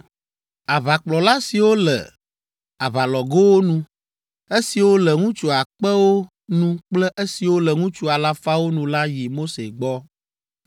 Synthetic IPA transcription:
a˨βa˨k͡plɔ˨la˦si˨wo˦lɛ̰˨ | a˨βa˨lɔ˨ɡo˦wo˦nũ˨ | e˦si˨wo˦lɛ˨ŋũ˦t͡ʃu˨a˨k͡pɛ˦wo˦ | nũ˦k͡plɛ˦ʔe˦si˨wo˦lɛ˨ŋũ˦t͡ʃu˦a˨la˦fa˦wo˦nũ˨la˦ji˨mo˦se˨ɡ͡bɔ˦

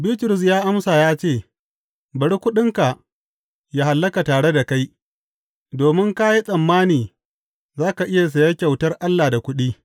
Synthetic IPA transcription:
biː˦tʊ˨ɾʊ˨s̬jaː˦ʔa˦msaː˨jaː˦t͡ʃeː˦˨ | bɐ˨ɽi˦kʷʊ˦ɗɪ˦ŋka˨ | ja˦ha˨lːɐ˦ka˨taː˨ɽe˦da˨ka˦j | doː˨mɪ˦ŋka˦ji˦sʼɐ˨mːaː˦niː˨ | zaː˦ka˨ʔɪ˦ja˨s̬ɐ˨ja˦kʲa˨wtɐ˦rʔa˦lːaː˨da˨kʷʊ˦ɗiː˦

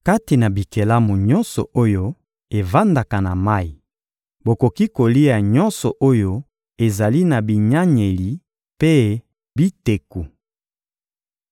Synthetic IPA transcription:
ka˦ti˨na˨bi˨ke˨la˦mu˨ɲɔ˦nsɔ̰˨o˦jo˦ | e˨va˦nda˨ka˨na˨ma˦i˨ | bo˨ko˨ki˦ko˨li˦a˨ɲɔ˦nsɔ˨ʔo˦jo˦ | e˨za˨li˦na˨bi˨ɲa˦ɲe˨li˨ | pe˦ | bi˦te˨ku˨

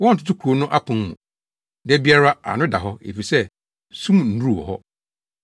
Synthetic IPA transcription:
wɔ˦n̩˨tʰʊ̥˦tʰʊ˦kʰu˨o˨˦nʊ̃˦ʔa˦pʰʊ̃˨nmũ˨ | dɛ˦bi˦a˦ɾa˦a̰˨nʊ̃˦da˨ɦɔ˦ḛ˨fi˨sɛ˦ | sũ˦mn̩˨nu˦ɾu˦˨wɔ̰˨ɦɔ˦

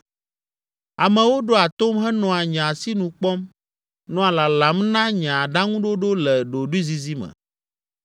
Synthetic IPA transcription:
a˨mɛ̃˨wo˦ɖo˦a˨t̪o˦mɦɛ˦nɔ̃˨a˨ɲã˨si˦nũ˨k͡pɔ˦m | nɔ̃˦a˨la˨la˨mnã˦ɲã˨ɖa˦ŋũ˦ɖo˦ɖo˦lɛ˨ɖo˨ɖu˦i˦zi˨zi˦mɛ̰̃˨

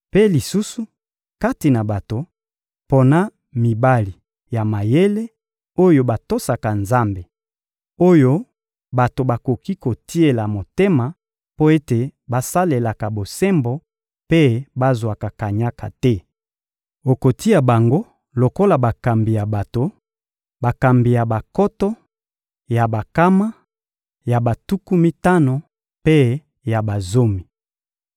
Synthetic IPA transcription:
pe˦li˨su˦su˦ | ka˦ti˨na˨ba˨to˨ | po˦na˦ | mi˨ba˦li˨ | ja˨ma˨je˦le˦ | o˦jo˦ba˨to˦sa˨ka˨nza˦mbe˨ | o˦jo˦ | ba˨to˨ba˨ko˨ki˦ko˨ti˦e˨la˨mo˨te˦ma˨ | po˦e˦te˨ba˦sa˦le˨la˨ka˨bo˨sɛ˦mbo˨ | pe˦ba˦zwa˨ka˨ka˨ɲa˦ka̰˨tɛ˦ | o˨ko˨ti˦a˨ba˨ŋɡo˦ | lo˨ko˦la˨ba˨ka˨mbi˨ja˨ba˨to˨ | ba˨ka˨mbi˨ja˨ba˨kɔ˦tɔ˦ | ja˨ba˨ka˦ma˦ | ja˨ba˨tu˦ku˦mi˦ta˦no˨ | pe˦ | ja˨ba˨zo˦mi˨

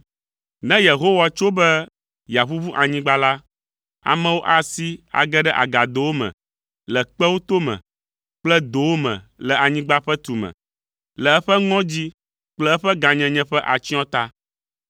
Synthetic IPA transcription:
nɛ̃˦je˨ɦo˦wa˨t͡ʃo˦bɛ˦ | ja˨ɸu˦vu˦ʔa˨ɲĩ˦ɡ͡ba˦la˦ | a̰˨mɛ̃˦wo˦ʔa˨si˦a̰˨ɡɛ˦ɖɛ˦ʔa̰˨ɡa˨d̪o˨wo˦mɛ̰̃˨ | lɛ˨k͡pɛ˦wo˦t̪o˦mɛ̰̃˨ | k͡plɛ˦d̪o˨wo˦mɛ̰̃˨lɛ˨a˨ɲĩ˦ɡ͡ba˦ɸɛ˦t̪u˨mɛ̰̃˨ | lɛ˨ɛ˦ɸɛ˦ŋɔ̃˦d͡ʑi˦ | k͡plɛ˦ɛ˦ɸɛ˦ɡa˨ɲɛ̃˨ɲɛ̃˦ɸɛ˦ʔa˨t͡ɕi˦ɔ̃˦t̪a˦

